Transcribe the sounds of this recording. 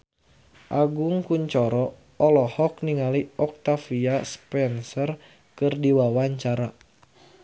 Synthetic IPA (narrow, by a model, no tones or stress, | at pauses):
ʔaɡuŋkuɲt͡ʃɔɾɔ | ɔlɔhɔk̚niŋaliɔk̚t̪afiaspɛnsɔr | kɨrdiwawaɲt͡ʃaɾa